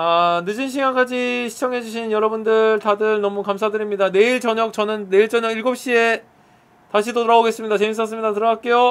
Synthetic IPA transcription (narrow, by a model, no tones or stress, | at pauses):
anɯd͡ʑɯnɕ̬ʰiɡank͈ad͡ʑiɕʰi̥t͡ɕʰʌŋɦe̞d͡ʑuɕʰinjʌɾʌbundɯɭtadɯɭnʌmukams̬ʰadɯɾimɲidane̞iɭt͡ɕʌɲʌk̚t͡ɕʌnɯnːe̞iɭt͡ɕ͈ʌɲʌɡiɭɡop̚ɕ͈ie̞ | taɕʰidoɾaboɡe̞s͈ɯmɲidat͡ɕe̞mis͈ʌs͈ɯmɲidatɯɾʌɡak͈e̞jo